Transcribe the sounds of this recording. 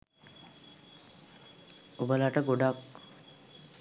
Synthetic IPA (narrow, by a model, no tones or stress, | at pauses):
obəlaʈəɡoɖak